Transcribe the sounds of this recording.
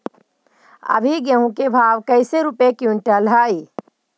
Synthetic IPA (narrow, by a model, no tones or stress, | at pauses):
ɐ̰bʱiɡjɐɦũkebʱaːʋkɐɪseɾupekjũɳʈəlɦaːi